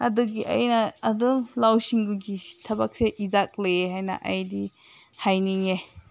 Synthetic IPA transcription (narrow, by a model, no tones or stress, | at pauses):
ɐduɡiʔɐ̰jnɐɐdulawsiŋɡuɡitʰɐbak̚seʔizak̚leeɦajnɐ̰ʔɐ̰jdi | hajniŋe